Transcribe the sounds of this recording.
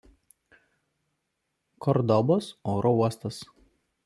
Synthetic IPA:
kɔɾd̪ɔbosoːɾʔɔuɔst̪ɐs

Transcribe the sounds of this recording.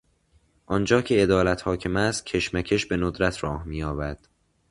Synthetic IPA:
ʔɒnd͡ʒɒːcʰe̞ed̪ɒːlæt̪hɒːcʰemæst̪̚cʰe̞ʃmæcʰeʃbe̞nod̪ɾæt̪ʰrɒːhmiːjɒːbæɾd̪̥

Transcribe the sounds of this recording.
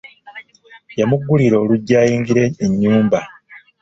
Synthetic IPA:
jamuɡːuliɾo̞ːluɟːaːjiːŋɡiɾe̞ːɲːuːmba

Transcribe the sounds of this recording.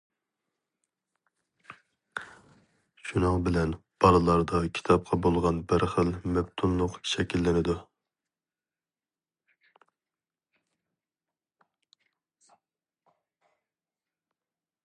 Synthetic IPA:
ʃunɨŋbɪlɛnb̥ɑlˠɨlˠɑɾd̪ɑkʲʰi̥t̪ʰɑp̚qʰɑbolˠʁɑnbəɾχəlmɛp̚t̪ʰunlˠʊqʃɛkʲʰilːɪnɪd̪u

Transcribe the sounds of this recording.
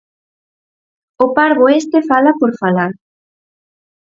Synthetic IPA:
ʊpaɾɣoest̪efalapoɾfalaɾ

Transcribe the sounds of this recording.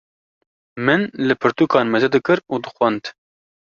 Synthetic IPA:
mɨnlɨpʰɨɾt̪ukɑːnmɛzɛd̪ɨkɨɾuːd̪ɨxʷɛnd̪

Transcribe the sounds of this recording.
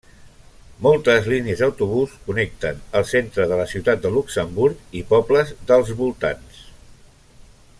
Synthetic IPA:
mɔlˠt̪əzliniəzəwt̪uβ̞uskunɛk̚t̪ənəlˠsent̪ɾəðələsiwt̪at̪̚d̪əluksəmbuɾkipɔpləzðəlˠzβulˠt̪a̰ns

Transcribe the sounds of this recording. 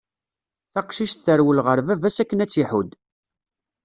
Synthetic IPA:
θæqʃiʃθθəɾwəlʁəɾvævæsækːənæt͡sːiħud̪

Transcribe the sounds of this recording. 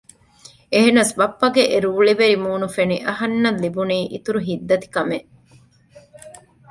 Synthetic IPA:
eɦenɐsbɐpːɐɡeʔeɾuːɭiʋeɾimuːnufeniʔɐɦɐnːɐlːibuniːʔḭt̪uɾuɦid̪ːɐt̪i̥kɐmeʔ

